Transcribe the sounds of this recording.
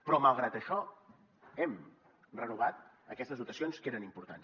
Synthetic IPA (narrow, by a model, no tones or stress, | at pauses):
pɾɔmalˠɣɾat̪əʃɔ | ɛm | rənuβat̪̚ | əkɛst̪əzut̪əsionskeɾənimpuɾt̪a̰ns